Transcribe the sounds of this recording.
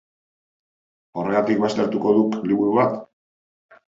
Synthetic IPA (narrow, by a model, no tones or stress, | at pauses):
o̞reat̪ik̚bast̪e̞ɾt̪uko̞ðukliβuɾuβat̪